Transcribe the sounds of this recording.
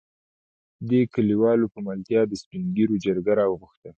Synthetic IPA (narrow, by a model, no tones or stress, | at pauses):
d̪ekəliwɑlopəmalt̪jɑd̪əspiŋɡiɾod͡ʒaɾɡaɾɑwəɣʊxt̪ə